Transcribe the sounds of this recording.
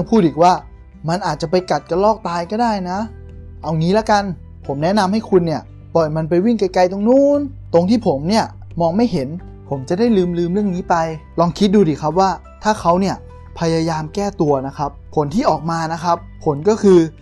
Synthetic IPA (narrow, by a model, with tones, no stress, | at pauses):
ŋpʰuː˥˩t̪̚ʔiː˨˩k̚waː˥˩ | ma˧nʔaː˨˩t̪̚t͡ɕa˨˩pa˧jka˨˩t̪̚ka˧lɔː˥˩k̚t̪aː˧jkɔː˥˩daː˥˩jna˦˥ | ʔa˧wniː˦˥lɛ˦˥ka˧n | pʰo˩˦mnɛ˦˥na˧mha˥˩jkʰu˧nːi˥˩ɐ | pɔ˨˩jma˧np̬a˧jwi˥˩ŋka˧jka˧jt̪o˧ŋnuː˥˩n | t̪o˧ŋt̪ʰiː˥˩pʰo˩˦mni˥˩ɐ | mɔː˧ŋma˥˩jɦe˩˦n | pʰo˩˦mt͡ɕa˨˩da˥˩jlɯː˧mlɯː˧mɾɯ˥˩əŋniː˦˥pa˧jlɔː˧ŋkʰi˦˥t̪̚duː˧diː˨˩kʰa˦˥p̬̚waː˥˩ | t̪ʰaː˥˩xʰa˦˥wni˥˩ɐ | pʰa˧jaː˧jaː˧mkɛː˥˩t̪u˧ɐna˦˥kʰa˦˥p̚ʰːo˩˦nt̪ʰiː˥˩ʔɔː˨˩k̚maː˧na˦˥kʰa˦˥pʰːo˩˦nkɔː˥˩kʰɯː˧